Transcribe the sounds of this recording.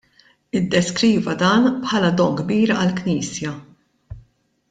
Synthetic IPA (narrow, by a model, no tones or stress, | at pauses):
ɪd̪ːɛskɾiːvɐd̪ɐːnpħɐlɐd̪ɔŋɡbiːɾɐlkniːsjɐ